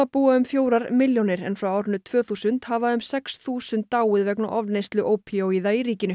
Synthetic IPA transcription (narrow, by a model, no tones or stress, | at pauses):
apuːaʏmfjoːwɾaɾmɪljownɪɾɛ̰nfɾawɔɾnʏt̪ʰv̥œːθuːsʏnt̪havaʏmsɛksθuːsʏnt̪ːaːwɪðvɛkna̰ʔɔvnejst̪lʏʔowpʰiowiðaiɾiːcɪnʏ